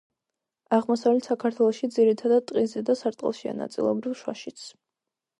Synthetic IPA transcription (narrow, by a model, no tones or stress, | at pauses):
aʁmɔsavlɛt̪ʰsakʰaɾt̪ʰwɛlˠɔʃid̪ziɾit̪ʰad̪ad̪̚t̪ʼqʼizɛd̪asaɾt̪ʼqʼɛ̰lˠʃia̰na̰t̪sʼḭlˠɔ̰bɾivʃwa̰ʃit̪sʰ